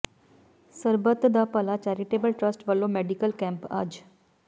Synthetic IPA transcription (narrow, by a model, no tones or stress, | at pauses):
səɾbət̪d̪apəlat͡ʃɛɾiʈeːbəlʈɾəsʈʋəlːomeɖikəlkɛ̃mpa̰ːd͡ʒ